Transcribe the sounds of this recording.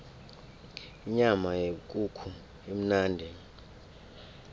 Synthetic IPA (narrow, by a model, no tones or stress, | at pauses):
iɲamajekʼukʰu | em̩naːndʱɛ